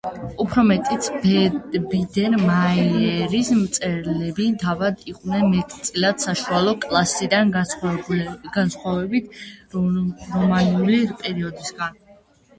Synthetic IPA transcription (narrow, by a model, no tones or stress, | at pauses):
upʰɾɔmɛt̪ʼit̪sbɛbid̪ɛɾmaiɛɾismt̪sʼɛɾlɛbit̪ʰavad̪iq̪ʼnɛnmɛt̪ʰʼt̪sʼilad̪̥saʃualˠɔkʼlˠasid̪an | ɡ̥ansχwavɛbit̪ʰ | ɾɔmanulipʼɛɾiɔd̪isɡan